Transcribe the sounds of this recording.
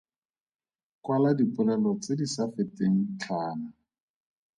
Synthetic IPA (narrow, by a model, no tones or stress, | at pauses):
kwaladipʼʊnanɔt͡sɪdisafɪtʼeŋ̩t͡ɬʰaːna